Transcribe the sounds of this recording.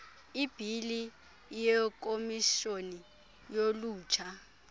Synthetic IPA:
ib̥ʱili | jɛk̬ʼomiʃoni | joluːt͡ʃʰa

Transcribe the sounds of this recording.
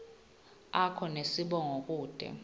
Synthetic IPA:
akʰɔnesiɓɔŋok̬ʼuːd̥ʱɛ̰

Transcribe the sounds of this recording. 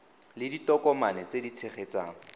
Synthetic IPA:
lɪditɔkɔmanɛt͡sedit͡sʰeχet͡saːŋ̩

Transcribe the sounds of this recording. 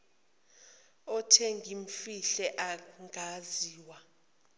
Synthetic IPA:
ɔtʰɛŋɡʱiɱfiɬɛʔaŋɡʱaziːwa

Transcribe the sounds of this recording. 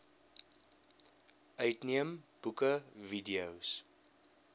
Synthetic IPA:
ʔœɥtniəmb̥ukəvidiəws

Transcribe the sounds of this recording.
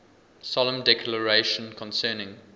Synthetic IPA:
sɔlə̃mdɛkʰləɹeɪʃə̃nkʰɔ̃nsɜːnɪ̃ŋ

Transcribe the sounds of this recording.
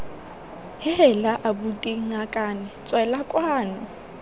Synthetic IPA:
hɪɦɛlaʔabutʼiŋakʼaːnɪt͡sʼwɛlakʼwaːnʊ

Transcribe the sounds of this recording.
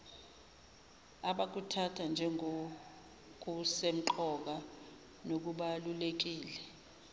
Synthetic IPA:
aɓak̬utʰatʰand͡ʒʱɛŋ | k̬usem̩ǃɔk̬a | nok̬uɓalulek̬iːlɛ

